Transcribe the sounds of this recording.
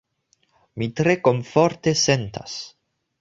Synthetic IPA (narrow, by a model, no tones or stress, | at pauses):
mit̪ɾekomfoɾt̪esent̪a̰s